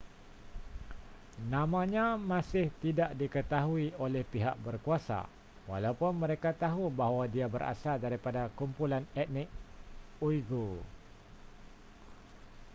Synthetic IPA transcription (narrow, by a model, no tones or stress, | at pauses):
nãmãɲãmãsɪht̪idaʔdikət̪aɦuiolɛhpiɦa̰ʔ̚bərkuasa̰ | walaupʊnmə̃ɾekat̪aɦubaɦwadiabə̰ɾa̰saldaɾipadakumpulanɛt̪̚nɪk̚ | uiɡo